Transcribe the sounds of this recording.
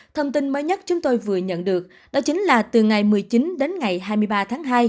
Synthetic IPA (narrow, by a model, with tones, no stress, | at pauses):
t̪ʰə˧wŋ͡mt̪i˧nməː˨˦jɲə˦˥t̚t͡ɕʊ˨˦ŋ͡mt̪o˧jvɨ˨˩əɲə̰˧˨nɗɨ˨˩ək̚ | nɔ˨˦t͡ɕï˨˦ŋ̟laː˨˩t̪ɨ˨˩ŋa˨˩jmɨ˨˩əjt͡ɕi˨˦nɗe˨˦nŋa˨˩jɦaː˧jmɨ˧jɓaː˧t̪ʰaː˨˦ŋɦaː˧j